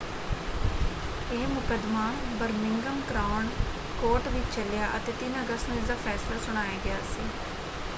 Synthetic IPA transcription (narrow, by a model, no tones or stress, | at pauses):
eːmʊkəd̪maːbəɾmɪŋɡəmkɾaːɳ | koːʈʋɪt͡ʃt͡ʃəljaːʔət̪eːt̪ɪnəɡəst̪nũːɪzd̪aːpʰɛːsɪləːsʊɽ̃aːjaːɡɪaːsiː